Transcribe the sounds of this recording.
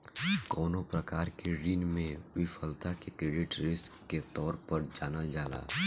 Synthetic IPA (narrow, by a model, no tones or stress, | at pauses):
kɔːnopɾɐkaːɾkeɾiːnmẽwɪfʰəlt̪akekɾeːɖɪʈɾɪskːet̪ɔːɾpəɾd͡ʒaːnəld͡ʒaːla̰ː